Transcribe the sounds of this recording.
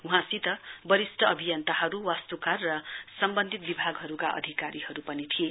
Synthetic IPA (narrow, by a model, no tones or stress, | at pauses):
uɦãsit̪ʌbʌɾisʈʰʌʔʌbʱijʌnt̪aɦʌɾuwast̪ukarːʌsʌmbʌnd̪ʱit̪̚bibʱaɡɦʌɾukaʔʌ̰d̪ʱikaɾihʌɾupʌnit̪ʰije